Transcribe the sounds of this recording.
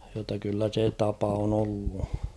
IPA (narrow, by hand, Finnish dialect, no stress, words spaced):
jotːɑ kylːæ se tɑpɑ on olːu